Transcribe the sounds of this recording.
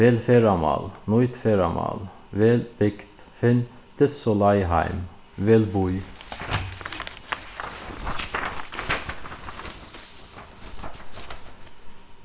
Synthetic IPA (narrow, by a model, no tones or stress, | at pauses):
ʋɛlfeɾɑmɑ̰lnɔʏt̪feɾɑmɑ̰l | ʋɛlb̥ɛkt̪ | fɛn | st̪ɛsɔlɑɪhæ̰ɪm | ʋɛlbuʏ